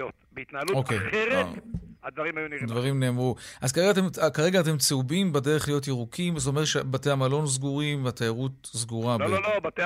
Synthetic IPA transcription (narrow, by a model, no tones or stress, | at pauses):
ot̪beit̪naaluokeeʁead̪vaʁimajunid̪vaʁimne̞ːmʁuʔazkaʁeɡatemkaʁeɡaːt̬e̞mt͡seubimbede̞ʁeχlijo̞t̬iʁukʰimzotomeetʃebateamalo̞nzɡuʁimvateaʁut | zɡuʁalololobat̪e